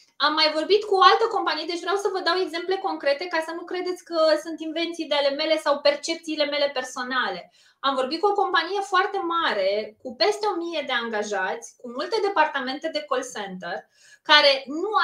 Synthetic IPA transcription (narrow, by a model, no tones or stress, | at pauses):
amːajvo̞rbit̪kuoalt̪əko̞mpanijed̪e̞t͡ʃʲvɾeawsəvəd̪awe̞ɡze̞mple̞ko̞ŋkɾe̞t̪e̞kasənukɾe̞d̪e̞t̪sʲkəsunt̪inve̞nt̪siːd̪eale̞me̞le̞sawpe̞rt͡ʃe̞p̚t̪siːle̞me̞le̞pe̞rso̞nale̞ | amvo̞rbit̪̚kuo̞ko̞mpanije̞foart̪e̞maɾe̞kupe̞st̪eo̞mije̞d̪e̞aŋɡaʒat̪sʲkumult̪e̞d̪e̞part̪ame̞nt̪e̞d̪e̞ko̞lsent̪ər | kaɾe̞nu